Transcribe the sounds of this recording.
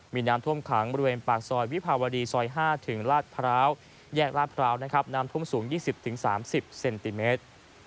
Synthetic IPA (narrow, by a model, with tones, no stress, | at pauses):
miː˧naː˦˥mt̪ʰu˥˩əmkʰa˩˦ŋbɔː˧ɾi˧weː˧npaː˨˩k̚sɔː˧jwi˦˥pʰaː˧waː˧diː˧sɔː˧jɦaː˥˩t̪ʰɯ˩˦ŋɾaː˥˩t̪̚pʰa˧ɾaː˦˥w | jɛː˥˩k̚laː˥˩t̪̚pʰɾaː˦˥wna˦˥kʰa˦˥p̚naː˦˥mt̪ʰu˥˩əmsuː˩˦ŋjiː˥˩si˨˩p̚t̪ʰɯ˩˦ŋsa̰ː˩˦msi˨˩p̚se˧nt̪i˧meː˦˥t̪̚